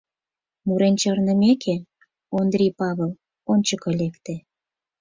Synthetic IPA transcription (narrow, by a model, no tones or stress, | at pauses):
muɾent͡ɕərnə̆mekʰe | ond̪rʲipɑβel | onʲt͡ɕəkɤlekt̪ĕ